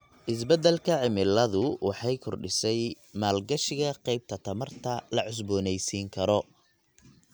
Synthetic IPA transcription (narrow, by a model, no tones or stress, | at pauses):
ʔɪsbɐd̪ɛlkʰɐʕɪmɪlːɐðʊwɑħɑjkʰɔrɖɪsɛj | maːlɡɐʃɪɣɐqɛjb̚t̪ʰɐt̪ʰɐmɐrt̪ʰɐlɐʕʊs̬bɔːnɛjsiːŋkʰɐɾɔ